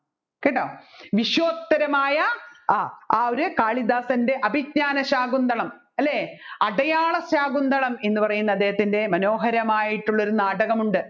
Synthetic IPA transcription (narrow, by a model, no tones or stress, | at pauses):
keːʈːaːoʋiɕjoːt̪ːɐɾɐmaːjɐ | aːoɾekaːɭid̪aːsɐnde̞ʔɐbʱit̚ɲaːnɐɕaːɡund̪ɐɭɐm | ɐlːeːɐɖɐjaːɭɐɕaːɡund̪ɐɭɐme̞nːɨpɐrɐjunːɐðeːɐt̪ːinde̞mɐno̞ːɦɐɾɐmaːjiʈːuɭːo̞ɾunaːɽɐɣɐmuɳɖɨ